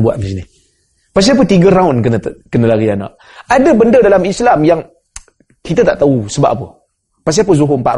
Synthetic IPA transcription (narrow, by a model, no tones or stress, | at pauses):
bua̰ʔməsini | pas̬iap̬ət̪iɡəɾaʊnkənəkənəlaɡiana̰ʔ | adəbəndədalamislamjaŋ | kit̪ət̪a̰ʔt̪ausəba̰ʔapə | pas̬iap̬əzuɦoəmpa̰ʔ